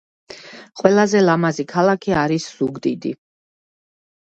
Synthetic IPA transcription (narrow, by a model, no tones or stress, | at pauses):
qʼwɛlˠazɛlamazikʰalˠakʰiaɾisz̥uɡd̪id̪ḭ